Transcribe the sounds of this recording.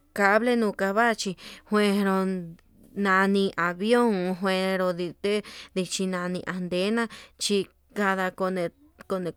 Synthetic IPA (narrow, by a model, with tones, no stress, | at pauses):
ka˧βle˦nũː˧ka˧βa˦˧t͡ʃi˧hwẽ˧ɾo˧ | nã˧nĩ˧ʔa˨βjo˦˨ŋɦwẽ˧ɾo˧ði˧t̪e˦d̪i˧t͡ʃi˧nã˧nĩ˧ʔa˧nd̪e˦nã˦˧t͡ʃi˧ | ka˧ða˧ko˧nẽ˧ | ko˧nẽ˧